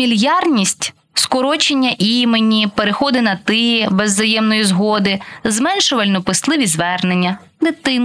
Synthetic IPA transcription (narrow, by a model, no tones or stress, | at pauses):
mʲilʲjɑrnʲisʲtʲ | skɔɾɔt͡ʃenʲːɐʔimenʲipeɾexɔd̪ɪnɐt̪ɪjɛbezːɐjɛmnɔjizɦɔd̪ɪzmɛnʃʊʋɐlʲnɔpɪst̪lˠɪʋʲizʋɛrne̞nʲːɐ | d̪ɪt̪ɪn